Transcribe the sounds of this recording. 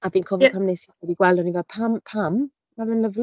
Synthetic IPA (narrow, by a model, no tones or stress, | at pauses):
abiːnkʰɔvpʰamnesiədiɡwɛldɔnivɛdpʰampʰam | mavɛnləvl